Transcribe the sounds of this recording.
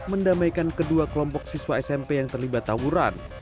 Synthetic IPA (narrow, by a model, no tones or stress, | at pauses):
məndamajkankəduakəlɔmpɔksiswaɛsɛmpejaŋt̪ərlibat̪ːawuɾa̰n